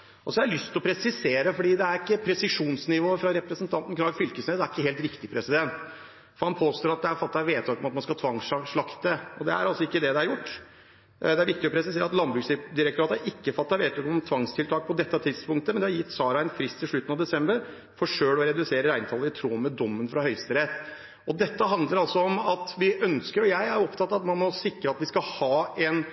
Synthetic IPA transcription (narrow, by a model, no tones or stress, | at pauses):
ʔɔsɔhɑɾlʏst̪ʰɔpʰɾɛsɪseːɾəfɔɖiːd̪ɛæɾɪkːəpʰɾɛsɪʂuːnsnɪʋoːəfɾɑɾɛpɾəsnt̪ʰɑnt̪n̩knɑɡfʏlkəsneːd̪æɾɪkːəɦeːlt̪ɾɪkt̪ɪpʰɾɛsɪd̪ɛnt̪ | fɔɾhɑnpʰoːst̪oːɾɑt̪̚d̪ɛæɾfɑt̪ːɑʋeːt̪ʰɑːkɔmɑt̪̚mɑnskɑt̪ʰɑŋʂɑʂɭɑkt̪əɔd̪ɛæ̰ɾɑlsɔɪkːəd̪ɛd̪ɛæɾjʊʈː | d̪ɛæɾʋɪkt̪ɪɔpʰɾɛsɪseːɾɑt̪lɑnbɾʉːsd̪ɪɾɛkt̪ʊɾɑːt̪əʔɪkːəfɑt̪ːɑʋeːt̪ʰɑːkɔmɔmt̪ʰʋɑŋst̪ʰɪlt̪ʰɑːk̚pʰɔd̪ɛt̪ːɑt̪ʰɪd̪spʊŋk̚t̪əmɛnd̪ɛhɑɾjɪt̪ːsɑːɾɑɛnfɾɪst̪ʰːɪlʂɭʉt̪ənɑʋd̪ɛsɛmbəɾ | fɔʂøːɽɔɾɛd̪ʉseːɾəɾæɪnt̪ʰɑləɾɪt̪ʰɾuːmːəd̪ɔmːənfɾɑhœʏst̪əɾɛt̪ | ɔd̪ɛt̪ːəɦɑnd̪ləɾɑlsɔɔmɑt̪ʋɪʔœnskəɾɔjæɪæɾɔpt̪ʰɑt̪ːɑt̪mɑnmɔsɪkɾəɑt̪ʋɪskɑhɑːɛn